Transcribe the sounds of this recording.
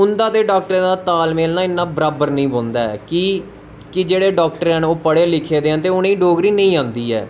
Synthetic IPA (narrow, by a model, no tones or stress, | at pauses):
ʊnd̪aːd̪eːɖaːk̚ʈɾd̪aːt̪aːlmeːlnaːɪnːãːbɾaːbəɾnəĩːboːnd̪a̰ːɛ̰ːkɪ | kɪd͡ʒeːɽeːɖɔːk̚ʈəɾɛ̃ːnoːpəɽeːlɪkʰeːd̪eːɦãːt̪̬eːʊnẽːiːɖoːɡɾiːnəĩːãːnd̪iːɛ̰ː